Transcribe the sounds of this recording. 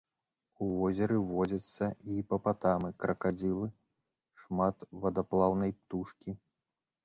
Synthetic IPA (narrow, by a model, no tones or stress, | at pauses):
uvɔzʲɐɾɨvɔd͡zʲɐt̪sːɐipɐpat̪amɨkɾɐkad͡zʲilˠɨ | ʂmat̪vɐd̪aplˠawnɐjpt̪uʂkʲi